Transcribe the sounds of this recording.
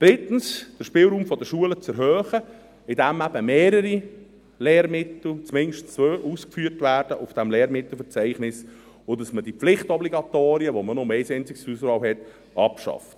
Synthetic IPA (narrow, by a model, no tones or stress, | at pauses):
d̥ɾɪtn̩sd̥əʃpɪːlɾuːmfɔdəʃuələt͡sɛɾɦœːχə | ɪdæmæb̥əmeːɾəɾi | leːɾmɪtl̩t͡smɪnʃtnt͡søʔuːskfyːɾtvæːɾd̥əʔʊfd̥æmleːɾmɪtl̩fəɾt͡sæɪχnɪs | ʊdɑsməd̥iflɪχtɔbliɡɑt̪oːɾiəʋomənɔmɛɪsɛɪnt͡sɪɡ̥susɾɑːlɦɛt | ɑpʃɑ̰ft